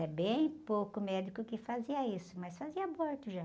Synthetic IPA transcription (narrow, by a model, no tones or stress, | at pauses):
ɛbẽj̃powkʊmɛd͡ʒ̪ikʊkɪfaziɐisʊmɐsfaziɐaboɾt̪ʊʒa